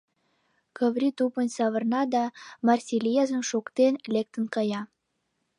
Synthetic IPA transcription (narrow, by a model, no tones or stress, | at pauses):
kə̆βɾʲit̪upənsɑβɤ̆rnɑd̪ɑmɑrsʲilʲijɑzə̆nʃukt̪enlʲek̚t̪ə̆nkɑjɑ